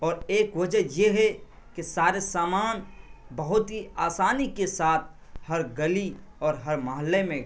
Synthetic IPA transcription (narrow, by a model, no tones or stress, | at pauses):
ɔːɾeːkwəd͡ʒəjeɦɛ | kisaːɾesaːmaːnbəɦʊt̪ɦiaːsaːnikesaːt̪̚ʰ | həɾɡəli | ɔːɾɦəɾməɦəlːemẽ